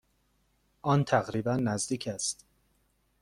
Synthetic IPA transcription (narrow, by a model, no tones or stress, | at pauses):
ʔɒːnt̪ʰæɣɾiːbænːæzd̪iːcʰæst̪